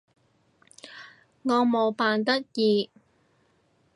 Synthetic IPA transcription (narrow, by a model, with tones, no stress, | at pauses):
ŋɔː˨˧mo˨˧wpaː˨nt̪ɐ˥t̚jiː˨˧